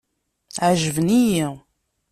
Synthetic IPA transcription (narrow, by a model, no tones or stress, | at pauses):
ʕʒəvəniji